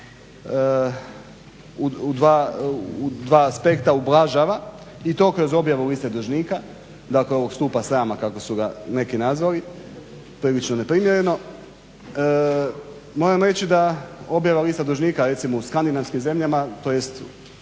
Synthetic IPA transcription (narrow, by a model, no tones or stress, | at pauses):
uud̪ʋaud̪ʋaːspe̞kt̪aublˠaʒaʋa | it̪o̞kɾozo̞bjaʋuliːst̪ed̪uʒniːka | d̪akleo̞ʋo̞ɡst̪uːpasɾaːmakako̞suɡane̞kinazʋali | pɾiːlit͡ʃnone̞pɾimjeɾe̞no̞ | mo̞ɾamɾe̞t͡ɕid̪ao̞bjaʋaliːst̪ad̪uʒniːkaɾe̞t̪simouskand̪inaʋskimze̞mʎamat̪o̞jest̪